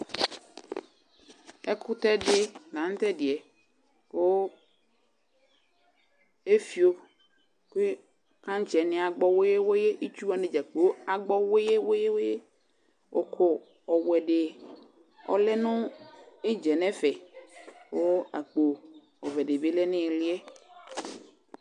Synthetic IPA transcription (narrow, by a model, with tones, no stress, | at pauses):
ɛ˦kʰʊ˦t̪ɛ˦ɖe˦nã˨˦n˦t̪ɛ˦dɪ˨ɛ˨ | wo˦ | e˦fi˨o˦ | ke˦ | kã˦ɲ˦t͡ʃɛ˨nɪ̃˦a˨ɡ͡bɔ˦wo˦je˦wo˦je˦ʔe˦t͡ʃu˦a˨nẽ˨d͡ʒa˨k͡pe˨o˦a˨ɡ͡bɔ˦wo˦je˦wo˦je˦wo˦je˦ | wo˨kʰo˦ | ɔ˨wɛ˨ɖe˨ | ɔ̰˨lɛ˦nʊ̃˦e˦d͡ʒɛ˨nɛ̃˦fɛ˨ | wo˦a̰˨k͡po˨ | ɔ˨vɛ˨ɖe˨be˦lɛ˦nɪ̃˦˨lɪ˦ɛ˦